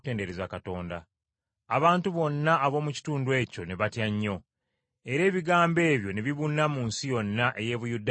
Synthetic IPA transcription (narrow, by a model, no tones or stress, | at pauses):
te̞ːnde̞ɾezakato̞ːndaː | βaːntuβo̞nːaːβo̞ːmuci̥tuːndwe̞ːco̞ne̞βatjaɲːo̞ | e̞ɾe̞ːβiɡaːmbe̞ːβjo̞ne̞βiβunːamuːnsijo̞nːaʔe̞je̞ːβujudːa